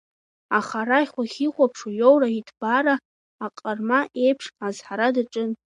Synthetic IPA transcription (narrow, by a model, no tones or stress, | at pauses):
aχaɾajχʷaχʲiqʷʼapʰʂajowraitʰb̥aɾaː | qʼarmaʔe̞jpʰʂazħaɾadaʈ͡ʂʼɨn